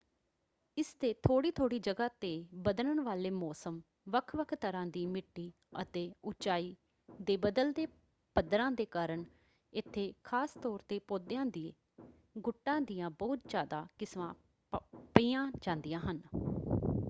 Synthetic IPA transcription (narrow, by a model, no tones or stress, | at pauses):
ɪst̪eːt̪ʰoːɽiːt̪ʰoːɽiːd͡ʒəɡaːt̪eːbəd̪ləɳʋaːleːmɔːsəm | ʋəkʰʋəkʰt̪əɾãːd̪iːmɪʈːiː | ə̰t̪eːʊt͡ʃaːiː | d̪eːbəd̪əld̪eː | pəd̪ɾãːd̪eːkaːɾəɳ | ɪt̪ʰːeːkʰaːst̪ɔːɾt̪eːpoːd̪jãːd̪iːe | ɡʊʈːãːd̪ijãːbɔːt̪̚d͡ʒaːd̪aːkɪsʋã̰ː | piːãːd͡ʒãːnd̪ijãːɦən